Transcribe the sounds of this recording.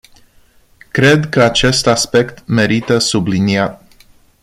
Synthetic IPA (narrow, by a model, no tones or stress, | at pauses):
kɾe̞d̪kəat͡ʃe̞st̪aspe̞kt̪me̞ɾit̪əsubliniat̪̚